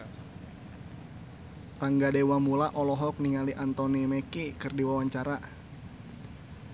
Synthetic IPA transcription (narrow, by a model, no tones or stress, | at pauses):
raŋɡadewamulaʔɔlɔɦɔk̚niŋaliʔant̪ɔnimekikɨrdiwawaɲt͡ʃaɾa